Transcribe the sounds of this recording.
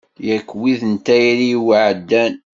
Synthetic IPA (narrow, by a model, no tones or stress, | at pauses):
jækːwiðənt̪æjɾiwəʕəd̪ːæn